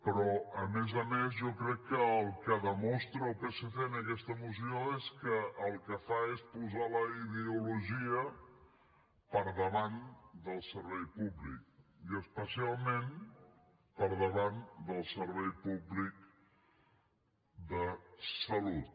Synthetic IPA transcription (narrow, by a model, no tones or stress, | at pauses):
pəɾɔəmezəmezʒɔkɾɛkːəəlˠkəðəmɔst̪ɾəːlˠkəsəfenəkɛst̪əmus̬ioeskəəlˠkəfaespuzaləiðiuluʒiə | pəɾðəβand̪əlˠsəɾβ̞ɛjpuβlḭk̚iəspəsialˠmen | pəɾðəβand̪əlˠsəɾβɛjpuβlik̚ | d̪əsəlut̪